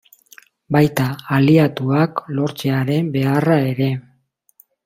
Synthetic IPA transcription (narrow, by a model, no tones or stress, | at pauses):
bajt̪aːliat̪uaklo̞ɾt͡se̞aɾe̞mbe̞arae̞ɾe̞